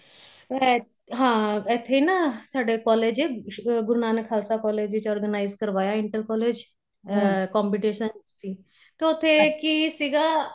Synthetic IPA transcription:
ɛ | ɦãːɛt̪ʰːeːiːnaːsaːɖeːkɔːleːd͡ʒeːɡʊɾnaːnəkʰːaːlsaːkɔːleːd͡ʒʋɪt͡ʃɔːɾɡənaːizkəɾʋaːjaːɪɳʈəlkɔːleːd͡ʒ | kɔːmpiːʈeːʃənsiː | t̪eʊt̪ʰːeːkisiːɡaː

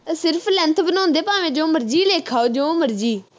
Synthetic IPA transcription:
sɪɾpʰlɛ̃nt̪ʰbənɔ̃ːnd̪eːpaːʋẽːd͡ʒõːməɾd͡ʒiːleːkʰaːoːd͡ʒõːməɾd͡ʒiː

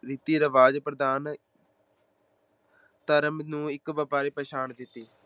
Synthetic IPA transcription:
ɾɪt̪iːɾəʋaːd͡ʒpɾəd̪aːn | t̪əɾəmnũːɪkbəpaːɾeːpəːʃaːnd̪ɪt̪ːiː

